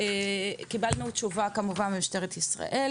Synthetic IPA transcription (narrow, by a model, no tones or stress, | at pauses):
ekibalnutt͡ʃuvakamuvanbemuʃt̪eʁet̪isʁa̰ʔe̞l